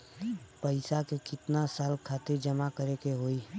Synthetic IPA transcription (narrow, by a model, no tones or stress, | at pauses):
pəɪsakekɪt̪nasaːlkʰaːt̪ɪɾd͡ʒəmakəɾekeɦoːiː